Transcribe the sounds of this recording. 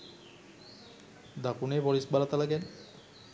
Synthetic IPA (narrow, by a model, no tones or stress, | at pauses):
d̪akunebɔɾisbalat̪alaɡen